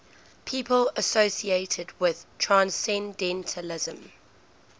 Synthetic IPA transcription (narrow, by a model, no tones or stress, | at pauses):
pʰiːpʰələsoʊsieɪtʰədwɪð̥tʰɹ̥ãnsɛ̃ndɛ̃ntʰəlɪzə̃m